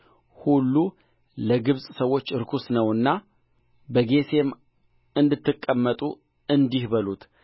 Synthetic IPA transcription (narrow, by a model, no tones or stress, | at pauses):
hulːu | ləɡɨβsʼsəwːo̞t͡ʃːɨɾkʰusnəwɨnːa | bəɡe̞se̞m | ɨnd̪ɨt̪ʰːɨkʼːəmːət̪ʼu | ɨnd̪ihbəlut̪